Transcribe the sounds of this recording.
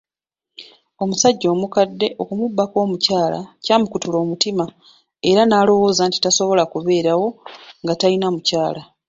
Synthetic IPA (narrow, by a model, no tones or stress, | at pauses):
o̞musaɟːo̞ːmukadːe̞ʔo̞kumubːako̞ːmucaːla̰caːmukutulo̞ːmutima | e̞ɾanaːlo̞wo̞ːzaːnti̥taso̞βo̞lakuβe̞ːɾawo̞ŋɡatainamucaːla